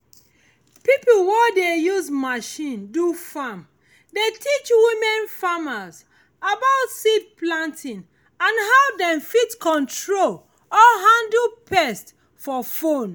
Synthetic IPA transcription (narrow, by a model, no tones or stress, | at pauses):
pipl̩wɛdejuzmaʃĩndufam | detʰit͡ʃwimɛ̃nfamaz | abaʊtsidplãntʰĩn | ãnɦavdɛ̃mfitkɔ̃ntɹol | ɔɦãndpʰɛst | fɔfõn